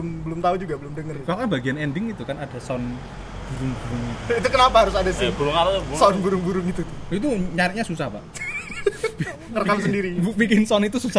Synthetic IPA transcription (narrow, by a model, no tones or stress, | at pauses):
ʊmbəlʊmt̪aud͡ʒuɡabəlʊmdəŋərkakanb̥a̤ɡianɛndɪŋit̪ukanad̥a̤sɔn | b̥uɾʊŋbuɾʊŋit̪uit̪ukənapaɦaɾʊsadasɪbulʊŋaɾat̪ubsɔnbuɾʊŋbuɾʊŋit̪ut̪ʊit̪̬uɲaɾɪʔ̚ɲasusahpa̰ʔ | kərkamsəndiɾipikɪnsɔnit̪ususa